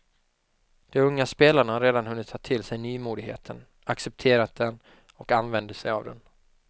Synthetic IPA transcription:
d̪̥ɛmɵŋːaspeːlaɳaaɾeːd̪anhɵnːɪt̪ʰːɑːt̪ʰɪlsɛjnyːmuːd̪ɪɡhḛːt̪ʰən | aksɛp̚t̪ʰeːɾat̪̚d̪ɛn | ɔkanvɛnd̪əsɛja̰vd̪ɛ̰n

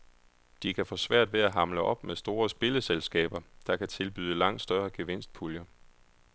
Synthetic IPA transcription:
d̥ikʰæfɔ̰̽ːsʋæɐ̰d̥ʋe̝æɦɑ̈mləʔɒ̽b̥mesd̥o̝ːɐsb̥e̝ləselsɡ̥ɛ̰ːb̥ɐd̥ɑ̈kʰæt͡sʰe̝lb̥y̰ːðˠəlɑ̈ŋ̰d̥sd̥ɶɐɡ̥eʋen̰sd̥̚pʰuljɐ

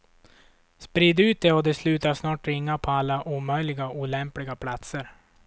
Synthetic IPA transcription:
spɾiːd̪ʉ̟ːt̪̚d̪ɛɔd̪ɛslʉ̟ːt̪aʂnɑːʈɾɪŋːapʰɔalːaʔuːmœjlɪɡaʔuːlɛmplɪɡapʰlat̪səɾ

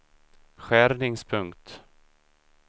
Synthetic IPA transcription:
ɧæɾnɪŋspʰɵŋkt̪

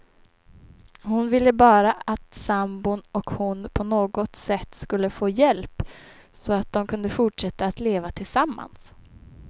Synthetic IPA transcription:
hʊnvɪlːəbɑːɾaat̪sambʊnɔkhʊnpʰɔnoːɡɔt̪sɛt̪ːskɵlːəfoːjɛlp | sɔat̪̚d̪ɔmkʰɵnd̪əfʊʈʂɛt̪ːaːt̪leːvat̪ʰɪlsamːa̰ns

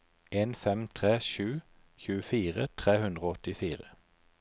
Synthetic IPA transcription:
ʔeːnfɛmt̪ʰʁeːʃʉː | çʉːəfiːʁət̪ʰʁeːhʉnd̪ʁoːɔt̪ɪfiːʁə

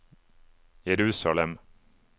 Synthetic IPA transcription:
jɛɾʉːsalɛm

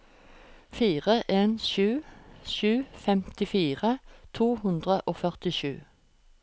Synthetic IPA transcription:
fiːʁəʔeːnʃʉːʃʉːfɛmt̪ɪfiːʁət̪ʰuːhʉnd̪ʁəʔoːfœʁt̪ɪʃʉ̰ː

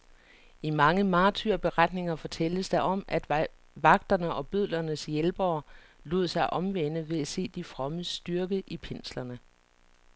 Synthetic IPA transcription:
imɑ̈ŋəmɑ̈ːt͡sʰyɐb̥e̝ʁad̥ne̝ŋɐfɒ̽t͡sʰel̰d̥əsd̥ɑ̈ʔɒ̽m̰ʔæd̥ | ʋɑ̈ɡ̥̚d̥ɐnəʔɒ̽b̥øð̰ˠlɐnəsjelb̥ɒː | lo̝̰ð̰ˠsɑ̈ɪʔɒ̽mʋen̰əʋe̝æse̝̰ːd̥ifʁɒ̽məsd̥yɐɡ̥əʔipʰen̰slɐnə

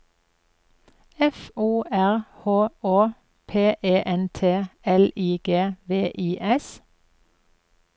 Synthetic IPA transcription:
ɛfuːʔæʁhoːoː | pʰeːʔeːʔɛnt̪ʰeːɛliːɡ̥eːʋeːʔiːʔɛs

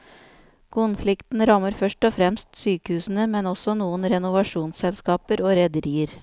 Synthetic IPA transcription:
kʰʊnflɪkt̪n̩ɾɑməɾfœʂʈɔfɾɛmst̪syːkəhʉːsn̩əmɛnɔsɔnuːənɾɛnʊʋɑʂuːnsɛlskɑːpəɾoːɾɛd̪əɾiːəɾ

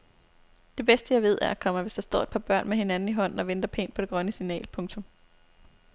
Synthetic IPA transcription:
d̥e̝b̥esd̥əjɑ̈ɪʋe̝ð̞̰ˠæɐækʰɒ̽m̰ɐʋe̝sd̥ɑ̈sd̥ɒ̰ːe̝d̥̚pʰɑ̈ːb̥ɶɐ̰nmeɦe̝nænn̩iɦɒ̽n̰n̩ɒ̽ʋend̥ɐpʰe̝̰ːnpʰɒ̥e̝ɡ̥ʁɶnəsinɛ̰ːlpʰɔ̽ŋt͡sʰɔ̽m

